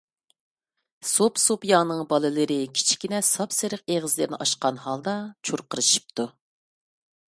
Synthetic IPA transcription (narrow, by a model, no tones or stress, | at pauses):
sopsopjɑnɨŋbɑlˠɨlɨɾɨkʲʰi̥t͡ʃʰi̥kʲinɛsɑpsɨɾəq̚eʁəzlɨɾnɪ̰ʔɑʃqɑnhɑlˠd̪ɑt͡ʃʰuɾqəɾɨʃi̥p̚t̪ʰu